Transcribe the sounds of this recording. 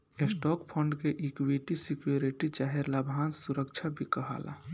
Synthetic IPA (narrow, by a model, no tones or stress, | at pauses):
esʈɔkpʰəɳɖkeʔikʋiʈisikjoɾiʈit͡ʃaɦeɾlabʱansuɾəkt͡ʃʰabʱikəɦa̰la̰